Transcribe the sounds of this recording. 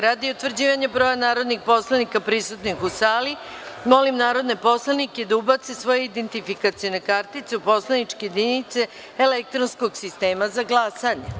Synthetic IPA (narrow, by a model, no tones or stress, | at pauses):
ɾad̪iut̪ʋr̩d͡ʑiːʋaɲabɾo̞ːjanaːɾod̪nixpo̞slˠanikapɾisut̪nixusaːli | mo̞limnaːɾo̞d̪nepo̞slˠaniked̪aubat̪sesʋo̞jeid̪ent̪ifikat̪sionekaɾt̪it̪seupo̞slˠanit͡ʃkejed̪init̪se | elek̚t̪ɾonsko̞ɡsist̪e̞ːmazaɡlˠasaɲḛ